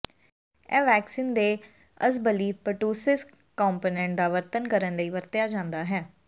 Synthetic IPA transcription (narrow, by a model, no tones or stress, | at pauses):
ɛːʋɛːksiːnd̪eː | əsbəliːpəʈuːsɪs | kːɔːmpoːnɛ̃ːɳʈ̚d̪aːʋəɾt̪ənkəɾənləiːʋəɾt̪ɪjaːd͡ʒãːnd̪aːɦɛː